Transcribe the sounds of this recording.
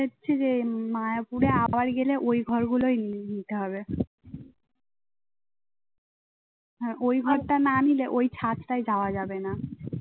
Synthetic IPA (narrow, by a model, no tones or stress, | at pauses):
etːɕʰed͡ʑemajopuɾeabaɾɡeleʔojɡʱɔɾɡulojninit̪eɦɔbe | ɦɛ̃ʔojɡʱɔɾʈananileʔojt͡ɕʰat̪ʈajd͡ʑaoad͡ʑabena